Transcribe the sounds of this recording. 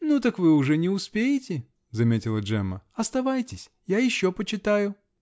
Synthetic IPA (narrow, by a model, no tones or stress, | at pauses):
nut̪ɐkvɨʊʐɛnʲɪʊspʲejɪtʲɪ | zɐmʲetʲɪlˠəʐɛmːə̰ɐst̪ɐvajtʲɪsʲ | jajɪɕːopət͡ɕɪt̪ajʊ